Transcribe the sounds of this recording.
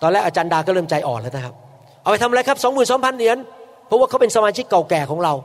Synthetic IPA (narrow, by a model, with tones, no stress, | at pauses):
t̪ɔː˧nlɛː˥˩k̚ʔaː˧t͡ɕaː˧ndaː˧kɔː˥˩ɾɤː˥˩mt͡ɕa˧jʔɔː˨˩nlɤː˧˩na˦˥kʰa˦˥p̚ | ʔa˧˩wpa˧jt̪ʰm˧ɾa˧jkʰa˦˥p̚sɔː˨˦ŋmɯː˨˩nsɔː˨˦mpʰa˧nːɯ˨˦ən | pʰɾɔ˦˥waː˥˩ka˦˥pe˧nsa˧maː˧t͡ɕʰi˦˥kːa˨˩wkɛː˨˩kʰɔː˩˦ŋɾa˧w